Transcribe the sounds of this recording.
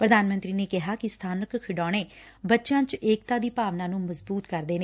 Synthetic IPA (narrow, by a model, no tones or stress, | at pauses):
pɾəd̪aːnmə̃nt̪ɾiːneːkɪɦaːkɪst̪ʰaːnəkkʰɪɖɔːɽ̃eːbətːʃãːt͡ʃeːk̚t̪ãːd̪iːpaːʋnãːnũːməzbuːt̪kəɾd̪eːneː